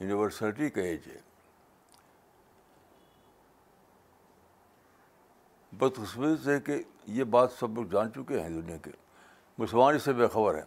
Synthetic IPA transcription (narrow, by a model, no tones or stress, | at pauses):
juːniʋəɾsalʈikɐeːd͡ʒɛ̰ | bəd̪xɪsmiːt̪ɦɛkejebaːt̪sɐblokd͡ʒaːnt͡ʃʊkeɦɛ̃d̪ʊnijakḛ | mʊsəlmaːnɪsebeːxɐbəɾɦɛ̰ː